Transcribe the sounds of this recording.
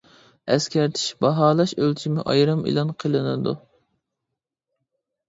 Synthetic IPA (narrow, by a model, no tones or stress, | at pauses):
ɛskʲæɾt̪ʰi̥ʃbɑɦɑːlˠɑʃølt͡ʃʰimɪʔɑ̰jɾɨmḭlˠɑnqʰəlˠɨnɨ̰d̪ṵ